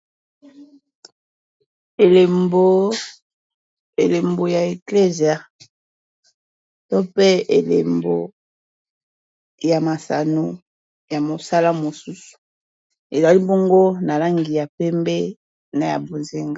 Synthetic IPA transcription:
e˨le˨mbo˦ | e˨le˨mbo˨ja˨e˨kle˦zi˨a˨ | to˦pe˦e˨le˨mbo̰˨ | ja˨ma˨sa̰˨no˦ | ja˨mo˨sa˦la˦mo˨su˦su̥˨ | e˨za˨li˦bo˦ŋɡo˦na˨la˦ŋɡi˨ja˨pɛ˦mbɛ˦ | na˨ja̰˨bo˨nze˨ŋɡa˦

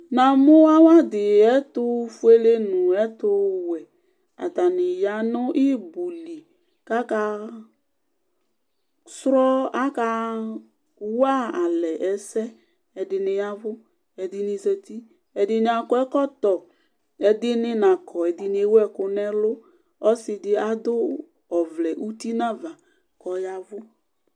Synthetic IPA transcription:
na˨mʊ˦a˦wa˦dɪ˨ɛ˦tʊ˦fu˦e˦le˦nʊ˨ɛ˦tʊ˧wɛ˨ | a̰˨ta˨nɪ˨ja˨˦nʊ˦ʔi˦bu˨li˨ | ka˦ka˧ | sɾɔ˦a˦ka˧ | wa˦a˨lɛ˨ʔɛ˨sɛ˦ | ɛ˨dɪ˧nɪ˨ja˦vʊ˦ | ɛ˨dɪ˦nɪ˨˧zə˨ti˦ | ɛ˨dɪ˦nɪ˨˦a˨kɔ˨˦ɛ˦kɔ˦tɔ˨ | ɛ˨dɪ˦nɪ˦na˨kʰɔ˨ɛ˨dɪ˧n˦e˦wɛ˦kʊ˧nɛ˦lʊ˦ | ɔ˦sɪ˨dɪ˦a˨dʊ˦ | ɔ˨vlɛ˨ʔu˦ti˦na˦va˨ | kɔ˨ja˧vʊ˦

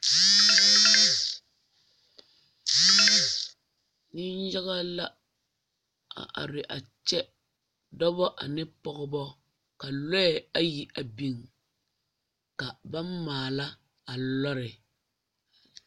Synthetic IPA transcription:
ni˦nja˦ɣa˦la˦ | a̰˨ʔa̰˨ɾɪ˨ʔa˨t͡ʃɛ˦ | dɔ˦bɔ˦ʔa˨nɪ˦pɔ˦ɣɔ˦bɔ˦ | ka˨lɔ˦ɛ˨a˦ji˨ʔa˨bi˨ŋ | ka˨ba˦m˦maː˨la˦ | a˨lɔ˦ɾɪ˨

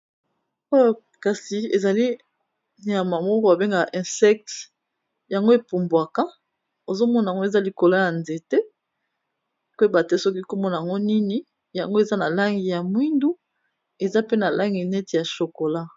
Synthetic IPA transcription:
o˦˨ | ka˨si˨e˨za˨li˦ | n˨˦a˨ma˨mɔ˦ko˦a˨be˦ŋɡa˨ʔɛ̃˨sɛ˦k̚t | ja˨ŋɡo˦e˨pu˨mbwa˨kã˦ | o˨zo˦mɔ˦na˨ŋɡo˦e˨za˦li˨ko˨la˦ja˨nze˨te˦ | kba˨te˦sɔ˦k̬i˦ko˦mɔ˦na˨ja˨ŋɡo˦ni˦ni˦ | ja˨ŋɡo˦e˨za˦na˨la˦ŋɡi˨ja˨mwi˦ndu˦ | e˨za˦pe˦na˨la˦ŋɡi˨nɛ˦ti˨ja˨ʃo˨ko˨la˦

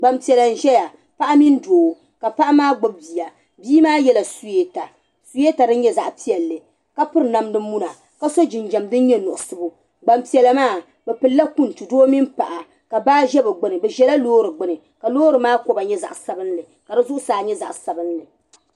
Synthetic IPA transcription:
ɡ͡ba˨mpi˨ɛ˨la˨n̩˨ʒɛ˦ja˨ | pa˦ʔa˦mi˦n˦doː˨ | ka˨pa˦ʔa˦maː˦ɡ͡bo˦b̚bi˨a˨ | biː˦maː˦jɛ˦la˨su˦je˦ta˨ | su˨˦je˦ta˨dɨ˦n˦ɲɛ˦za˨ʔpi˦ɛ˨lːɨ˨ | ka˦pɨ˦ɾna˦mnɨ˦m˦mu˦na˨ | ka˦so˦d͡ʒɪ˨nd͡ʒɛ˨mdɨ˦n˦ɲɛ˦nʊ˨ʔʊ˨sɨ˦bʊ˨ | ɡ͡ba˨mpi˨ɛ˨la˨maː˦˨ | bɛ˨pɨ˨lːa˦ku˦n˨tu˨doː˦mi˦npa˨ʔa˨ | ka˨baː˦ʒɛ˦bɨ˨ɡ͡bɨ˦nɨ˨bɛ˨ʒɛ˦la˦loː˦ɾɨ˨ɡ͡bɨ˦nɨ˨ | ka˨loː˦ɾɨ˨maː˦ko˦ba˨ɲɛ˦za̰˨ʔsa˨bɨ˦nlɨ˨ | ka˨dɨ˦zʊ˦ʔʊ˦saː˨ɲɛ˦za̰˨ʔsa˨bɨ˦nːɨ˨

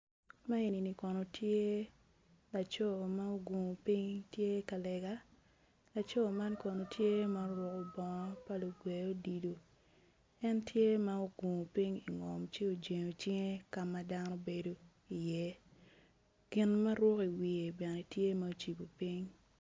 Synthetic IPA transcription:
ma˦i˨ni˨ni˨kɔ˨nɔ˨tʰje˦ | la˨t͡ʃɔ˦˨ma˦o˦ɡu˨ŋo˨pi˦ŋtje˦ka˨lɛ˨ɡa˦ | la˨t͡ʃɔ˦˨ma˦nkɔ˨no˨tʰje˦ma˦o˦ɾwɔ˦ko˨bɔ˨ŋɔ˦pa˦lo˨ɡwe˨jo˦di˨do˨ | ɛ˦ntje˦ma˦o˦ɡu˨ŋo˨pi˦ŋi˨ŋɔ˨mt͡ʃe˦o˨d͡ʒe˨ŋo˨t͡ʃɪ˦ŋe˦ka˨ma˦da˦nɔ˦be˨do˦ | i˨jɛ˦ | ɡ̥ɪ˨nma˦ɾwɔ˦ki˨wi˨e˨bɛ˨nɛ˨tje˦ma˦o˨t͡ʃi˨bo˨pi˦ŋ

